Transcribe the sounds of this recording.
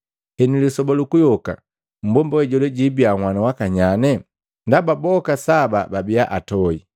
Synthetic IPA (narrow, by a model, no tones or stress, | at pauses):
ɛnilisɔbalukujɔka̰ | m̩bɔmbawɛɟɔlɛɟibiaŋwanawakaɲanɛ | ndababɔkasaba̰babiaʔatɔi